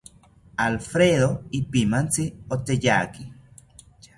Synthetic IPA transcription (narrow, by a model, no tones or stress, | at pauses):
alfɾeðoipimant͡siot̪ejaki